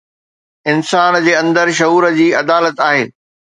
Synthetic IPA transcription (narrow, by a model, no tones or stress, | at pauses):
ɪnsaːnd͡ʑeːɐ̃nd̪əɾʃɐɦuːɾəd͡ʑiːɐd̪aːlət̪aːɦḛː